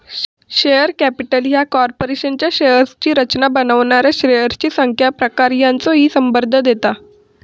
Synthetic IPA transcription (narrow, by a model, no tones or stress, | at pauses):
ɕejəɾkæpiʈəljakɔɾpoɾeɕənt͡ɕjaɕejəɾst͡ɕiːɾət͡ɕnabənəʋɳaɾjaɕɾejəɾt͡ɕiːsəŋkʰjapɾəkaɾjant͡sɔɦiːsəmbəɾd̪ʱːəd̪et̪a